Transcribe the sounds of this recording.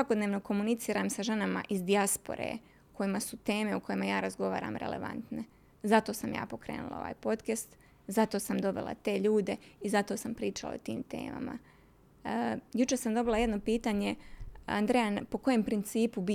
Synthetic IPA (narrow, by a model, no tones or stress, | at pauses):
sʋako̞d̪neʋno̞ko̞munit̪siːɾaːmsaʒe̞nama̰ʔizd̪iaspo̰ɾḛː | ko̞jimasut̪e̞ːme̞ukojemajaːɾazɡo̞ʋaːɾa̰ːmɾelḛʋa̰nt̪ne | zat̪o̞ːsamja̰ːpo̞kɾe̞̰ːnṵlˠa̰o̞̰ʋa̰ːjpo̞t̪kest̪ | zat̪oːsamd̪o̞ʋḛlˠa̰t̪e̞ːʎuːd̪e̞izat̪o̞ːsampɾiːt͡ʃala̰o̰t̪ḭːmt̪e̞̰ːma̰ma̰ | jut͡ʃesamd̪o̞bilˠaje̞d̪no̞piːt̪aːɲe̞a̰nd̪ɾeanpo̞ko̞jempɾint̪siːpubi